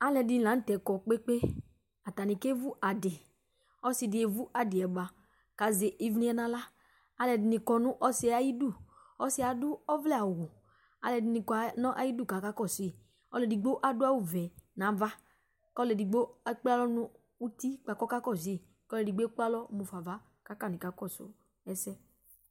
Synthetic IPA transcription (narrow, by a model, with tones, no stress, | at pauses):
a˦lɛ˧di˨˦lã˨˦tɛ˨kɔ˨k͡pe˦k͡pe˦ | a˨ta˨nĩ˨ke˦vu˦ʔa˨de˨ | ɔ˦si˧di˨e˨vu˦ʔa˨dɪ˨ɛ˨ɡ͡ba˨ | ka˨˦ze˨ʔi˦vnĩ˦ɛ˦nã˧la˦ | a˧lɛ˧dɪ˨ni˧kɔ˧nʊ̃˦ʔɔ˦si˧˦˧a˨˦ji˦du˦˨ | ɔ˦si˧˦a˨du˦ɔ˦vlɛ˦a˨wu˨ | a̰˧lɛ˨dɪ˨ni˨kɔ˨a˨˦nɔ̃˦ʔa˦ji˦du˦˨ka˨˦ka˦kɔ˦˨se˨ | ɔ˦lɛ˨di˨ɡ͡bo˦ʔa˨dʊ˦a˦wu˨vɛ˨nã˨˦va˦ | kɔ˦lɛ˨di˨ɡ͡bo˦k͡pa˦lɔ˦nũ˧˦ | u˦ti˦k͡pa˨kɔ˦ka˦kɔ˦˨z | kɔ˦lɛ˨di˨ɡ͡be˦k͡pa˦lɔ˦mu˨fa˨va˦ | ka˨˦ka˦˨nĩ˨ka˨˦kɔ˦˨so̰˨ | ɛ˦sɛ˦